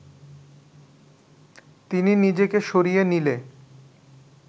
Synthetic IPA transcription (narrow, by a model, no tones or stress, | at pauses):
t̪ininid͡ʑekeʃoɾijenile